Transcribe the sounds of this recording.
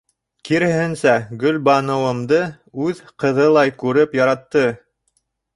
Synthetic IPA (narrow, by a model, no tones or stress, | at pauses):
kiɾɘ̆hɘnsæɡɵlbɑnɤ̆wɤ̆md̪ɤ | ʉðqɤ̆ðɤlˠɑjkʉɾɘpjɑɾɑt̪ːɤ